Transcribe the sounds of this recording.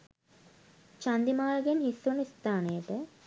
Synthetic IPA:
t͡ʃand̪imaːləɡenhisːunist̪aːnəjəʈə

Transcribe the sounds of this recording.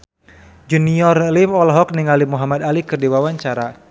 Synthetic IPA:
d͡ʒuniɔrlimɔlɦɔk̚niŋalimuɦamad̪alikɨrdiwawaɲt͡ʃaɾa

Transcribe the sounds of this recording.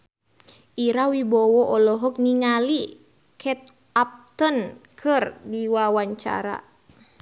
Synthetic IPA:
ʔiɾawibɔwɔʔɔlɔɦɔk̚niŋali | kʰɛt̪̚ | ap̚t̪ənkʰɨrdiwawaɲt͡ʃa̰ɾa̰

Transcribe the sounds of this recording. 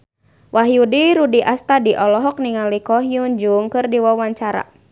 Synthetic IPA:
waɦjudiɾudiʔast̪adiʔɔlɔɦɔk̚niŋalikɔɦiund͡ʒuŋkɨrdiwawaɲt͡ʃaɾa̰

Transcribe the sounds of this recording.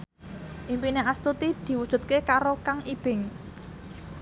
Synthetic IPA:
ʔimpineʔast̪ut̪id̪̥i̤wud̥ʒ̥ṳt̪̚kekaɾokaŋib̥ɪ̤ŋ

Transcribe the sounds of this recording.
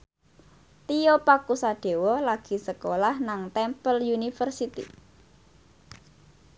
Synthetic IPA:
t̪ijopakusaɖ̥e̤wɔlaɡ̥i̤səkolahnaŋt̪ɛmpəljunifərsit̪ḭ

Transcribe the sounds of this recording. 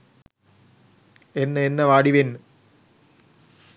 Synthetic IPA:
enːɐenːɐʋaːɽiʋen

